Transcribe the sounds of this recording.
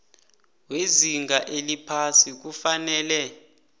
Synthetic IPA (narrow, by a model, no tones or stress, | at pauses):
weziŋɡaʔelipʰasik̬ufanɛːlɛ